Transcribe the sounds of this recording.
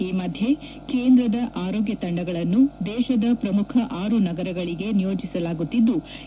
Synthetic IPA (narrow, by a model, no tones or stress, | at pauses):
iːmɐd̪ʱje̞ | ke̞ːnd̪ɾɐd̪ɐʔaːɾoːɡjɐt̪ɐɳɖɐɡɐɭɐnːud̪ɛːʃɐd̪ɐpɾɐmukʰɐʔaːɾunɐɡɐɾɐɡɐɭiɡe̞nijo̞ːd͡ʒisɐlaːɡut̪ːid̪ːu